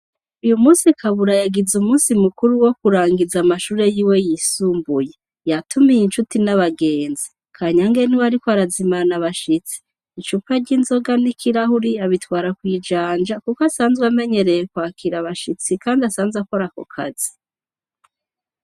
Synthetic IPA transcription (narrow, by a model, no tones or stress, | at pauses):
ujumuːnsikʰaβuɾajaɡizumuːnsimukuɾuwo̞kuɾaːŋɡizamaʃuːɾe̞jiːwe̞jisuːmbuje | jatʰumijint͡ʃutinaβaɡe̞ːnzi | kʰaːɲaŋɡe̞niwaɾikwaɾazimanaβaʃit͡si̥ː | t͡ʃupaɾɟiːnzo̞ɡanikʰiɾahuɾiaβitwaːɾakwiːd͡ʒaːnd͡ʒakukoasaːnzweame̞ɲe̞ɾe̞jekwaːkʰiɾaβaʃit͡sikaːndiasaːnzako̞ɾako̰kʰa̰z̥i̥